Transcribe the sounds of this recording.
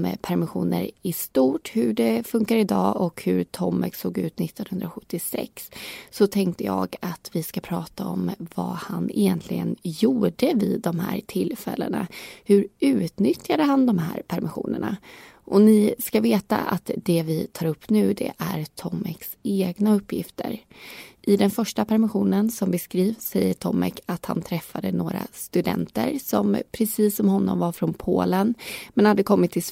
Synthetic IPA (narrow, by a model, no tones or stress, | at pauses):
mpʰæɾmɪɧuːnə̰ɾɪst̪uːʈhɵɖɛfɵŋkaɾɪd̪ɑːʔɔkhɵɾt̪ʰɔmːɛksoːɡʉ̟ːt̪nɪt̪ːɔnhɵnd̪ɾaɧɵ̥t̪ːɪsɛ̰ksːɔt̪ʰɛŋkt̪əjɑːɡat̪vɪskapʰɾɑːt̪aɔmvahanɪjɛnt̪ʰlɪɡənjuːɖəvɪd̪ɔmɦæ̰ːɾt̪ʰɪlːfɛlːə̰nahɵɾʉ̟ːt̪nʏt̪jad̪əɦand̪ɔmhæːɾpʰæɾmɪɧuːnəɳaʔɔnɪskaveːt̪a̰ʔat̪d̪ɛvɪt̪ʰɑːɾɵpːnʉ̟ːd̪ɛ̰ʔæɾt̪ʰɔmːɛkseːɡnaɵpːjɪft̪ʰə̰ɾʔɪd̪ɛnfœʂʈapʰæɾmɪɧuːnənsɔmbɛskɾiːvsɛjːəʈʰɔmːɛkʰat̪ha̰nt̪ʰɾɛfːad̪ənoːɾa̰st̪ɵd̪ɛ̰nt̪ə̰ɾsɔmpʰɾɛsiːsɔmɦɔnːɔ̰mvaɾfɾɔnpʰoːlənmɛnhad̪ːəkʰɔmːɪt̪ʰːɪls